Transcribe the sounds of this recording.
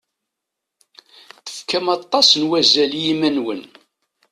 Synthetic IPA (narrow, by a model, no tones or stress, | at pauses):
θə̥fkæmɑt̪ˤːɑsnwæzæljimænwən